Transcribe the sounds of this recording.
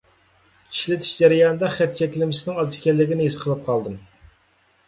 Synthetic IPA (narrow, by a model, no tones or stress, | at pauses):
t͡ʃi̥ʃlɪt̪ʰi̥ʃd͡ʒɛɾijɑnɨd̪ɑχɛt̪̚t͡ʃʰɛkʲlɪmɪsɪnɪŋɑzɪ̥kʲɛlːɪɡʲɪnɪisqʰəlˠɨp̚qʰɑlˠd̪ɨm